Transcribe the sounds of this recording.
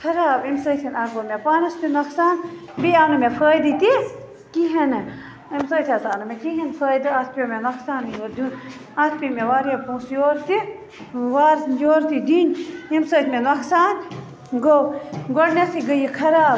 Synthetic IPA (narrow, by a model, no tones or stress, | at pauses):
kʰɐɾaːbimsəːt̪ʰinaːɡomepaːnɐst̪inɐksaːn | biaːnumepʰəːjd̪it̪i | kiɦɐnɨ | imsəːt̪ʰʲat̪aːnumekiɦɐnpʰəːjd̪ɨɐt̪ʰpʲomenɐksaːninoɾd̪ʲun | at̪ʰpimeʋaːɾjɐpũːsjoːɾt̪i | ʋaːɾsd͡ʒoːɾt̪id̪inimsəːt̪ʰʲmenɐksaːn | ɡoɡoɽnesiɡəjikʰɐɾaːb̚